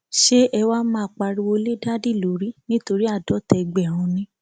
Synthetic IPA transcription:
ʃe˦ʔɛ˧wa˦mãː˦˨k͡pa˧ɾi˧wo˧le˦da˦di˦˨lo˨˦ɾi˦nĩ˦to˧ɾi˦a˦˨dɔ˨˦tɛ˧ɡ͡bɛ˦˨ɾ̃ũ˧nĩ˦

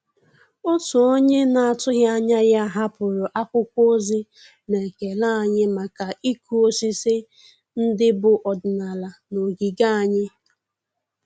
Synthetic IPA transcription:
o˦tu˨o˦ɲe˦na˨a˨tʊ˦ɦja˦ɲa˦ja˦ɦa˦pʊ˨ɾʊ˨ʔa˦kʷʊ˦kʷo˦zi˦ | ne˨ke˨la˦˨ɲɪ˦ma˨ka˨ʔi˦ku˦o˦si˦sɪ˦ | n̩˦dɪ˦bʊ˨ʔɔ˨dʊ˨na˨la˨no˨ɡi˨ɡa˦a˨ɲɪ˦

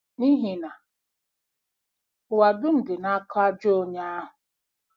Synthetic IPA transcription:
ni˦ɦi˨na˨ | wa˨dʊ˦n̩˨dɪ˨na˦kɔ˦a˦d͡ʒo˦ɲa˦a˦ɦʊ˨

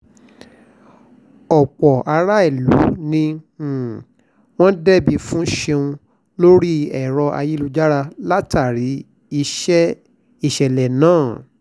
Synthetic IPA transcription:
ɔ˨k͡pɔ˨a˧ɾa˦i˦˨lṵ˨˦nĩ˧˨ | w̃ɔ̃˦dɛ˦bi˧fũ˦ʃe˧ũ˧ | lo˦ɾi˦ɛ˨ɾɔ˧ʔa̰˧ji˦lu˦˧d͡ʒa˦ɾa˧la˦ta˦˨ɾi˨˦ | i˧ʃɛ˦ | i˦˨ʃɛ˨lɛ˨nãː˦˨

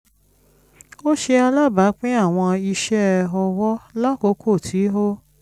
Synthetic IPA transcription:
o˦ʃe˧a˧la˦˨ba˨˦k͡pẽ˦a˦˨w̃ɔ̃˧i˧ʃɛ˦ɔ˧wɔ˦la˦ko˧˦kʰo˦˨tʰi˨˦ɦo˦

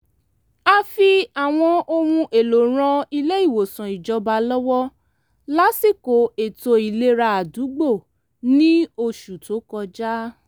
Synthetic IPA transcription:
a˧fi˧a˨w̃ɔ̃˧o˧ɾũ˧ʔe˨lo˨ɾ̃ɔ̃˧i˧le˦i˦˨wo˨sã˨i˨d͡ʒɔ˧˦ba˧lɔ˦wɔ˦ | la˨˦si˦˨ko˨e˨to˧i˨le˦ɾa˧a˨du˨˦ɡ͡bo˦˨ | nĩ˦o˧ʃu˨to˨˦kɔ˧d͡ʒa˦

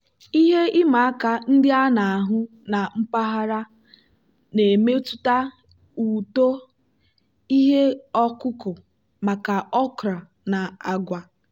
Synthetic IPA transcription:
i˦ɦe˦ɪ˦ma˨a˦ka˨n̩˦dɪ˦a˦na˨a˨ɦʊ˦ | na˨m̩˦pa˦ɦa˦ɾa˦ | ne˨me˦tu˦ta˦ | u˨to˦ | i˦ɦe˦ɔ˦kʊ˦kʊ˨ | ma˨ka˨ɔ˦kɾa˨ | na˨a˨ɡʷa˨

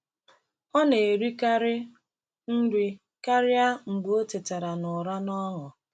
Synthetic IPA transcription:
ɔ˦ne˨ɾi˦ka˦ɾɪ˦ | n̩˦ɾi˦ | ka˦ɾɪ˦a˦ŋ͡m̩˨ɡ͡bo˦te˨te˨ɾa˨nʊ˨ɾa˦nɔ˦ŋʊ˨

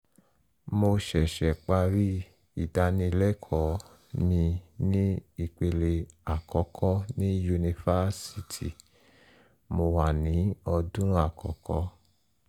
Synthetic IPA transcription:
mo˧ʃɛ˨ʃɛ˨k͡pa˧ɾi˦ | i˨da˨˧nĩ˧lɛ˦kʰɔ˨˦ | nĩ˧nĩ˦i˨k͡pe˨le˨a˨kɔ˨˦kʰɔ˦nĩ˦ju˧ni˧fa˦si˨tʰi˨ | mo˧wa˨nĩ˨˦ɔ˧dũ˦a˨kɔ̰˨˦kɔ˧˦

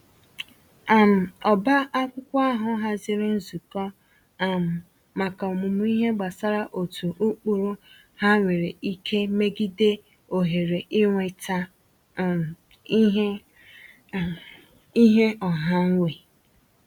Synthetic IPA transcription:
a˨m̩˨ɔ˨ba˦ʔa˦kʷʊ˦kʷa˦ɦʊ˦ɦa˦zi˦ɾo˦n̩˦zu˨kɔ˦ | a˨m̩˨ | ma˨ka˨ɔ˨mʊ˨mu˦i˦ɦe˦ɡ͡ba˨sa˦ɾa˦ʔo˨tʰu˨ʔu˦k͡pu˦˨ɾu˦ | ha˦ŋʷe˨ɾe˨i˦kʰe˦me˦ɡi˦de˦ | o˨ɦe˨ɾe˨ʔɪ˦ŋʷe˨ta˦˨˦ | ɦ | i˦ɦe˦ɔ˨ɦa˦ŋ̩˦ŋʷe˨

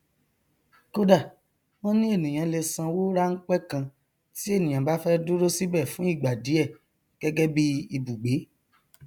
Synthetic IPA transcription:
ko˦da˦˨ | wõ˦nĩ˦e˦˨nĩ˨j̃ã˨˧le˧sã˧wo˦ɾa˦ŋ̩˦k͡pɛ˦kã˧ | ti˦e˦˨nĩ˨ã˨ba˨˦fɛ˦du˦ɾo˦si˦bɛ˦˨fũ˨˦i˦˨ɡ͡ba˨di˨˦ɛ˦˨ | ɡ̥ɛ˦ɡɛ˦bi˦i˧bu˨ɡ͡be˨˦

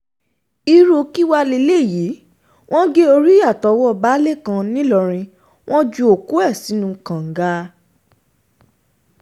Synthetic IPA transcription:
i˧ɾo˧˦ki˦wa˧le˧le˦˨ji˨˦ | w̃ʔɔ̃˦ɡe˦o˧ɾi˦ja˦˨tɔ˨˦wɔ˦˨ba˦le˦˨kã˧nĩ˦lɔ˧ɾ̃ĩ˧ | w̃ʔɔ̃˦d͡ʒu˧˦o˨ku˨˦ɛ˦˨si˨˦nũ˧kã˨ŋ̩˨˦ɡa˦

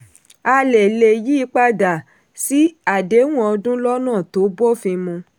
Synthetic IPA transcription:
a˧le˨le˨ji˦˧k͡pa˦da˨ | si˦a˦˨de˨˦w̃ɔ̃˦ɔ˧dũ˦lɔ˦nãː˦˨to˨˦bo˦˨fĩ˧mũ˧

